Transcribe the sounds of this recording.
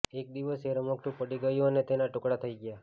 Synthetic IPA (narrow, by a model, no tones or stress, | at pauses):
ek̚d̪iʋəseɾəməkʈũpəɽiɡəjũənet̪enaʈokɽat̪ʰəiɡja